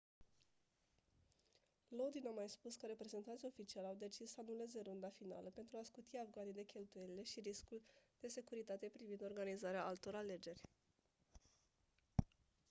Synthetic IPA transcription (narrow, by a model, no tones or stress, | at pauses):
lo̞d̪inamajspuskəɾe̞pɾe̞ze̞nt̪ansʲo̞fit͡ʃialʲawd̪e̞t͡ʃisːəanule̞ze̞ɾund̪afin̪a̰ləpe̞nt̪ɾuaskut̪iavɡanid̪e̞kʲe̞lt̪uje̞lile̞ʃiɾiskuld̪̥e̞se̞kuɾit̪at̪e̞pɾivind̪o̞rɡanizaɾeaʔalt̪o̞ɾale̞d͡ʒe̞rʲ